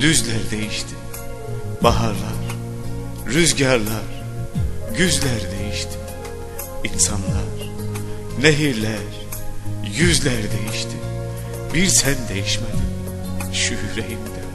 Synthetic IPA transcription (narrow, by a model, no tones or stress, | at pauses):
d̪yzlʲæɾd̪e̞jiʃt̪ʰi | baɦaɾlˠaɾ̥ | ɾyzɟaɾlˠaɾ̥ | ɟyzlʲæɾd̪e̞jiʃt̪ʰi̥ | insanlˠaɾ̥ | neɦiɾlʲæɾ | jyzlʲæɾd̪e̞jiʃt̪ʰi | biɾsʰænd̪e̞jiʃmeli | ʃyhɾejind̪ɛ